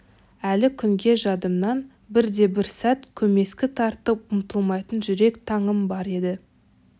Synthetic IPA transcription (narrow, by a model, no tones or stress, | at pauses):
ælɪkʲʰʏmɡʲe̞ʒɑd̪əmnɑn | bɪɾd̪e̞bɪɾsæt̪kʲʰɵme̞skʲɪt̪ʰɑɾt̪əp̚ʊmt̪əlˠmɑjt̪ənʒʏɾe̞kt̪ʰɑɴəmbɑɾe̞d̪ɪ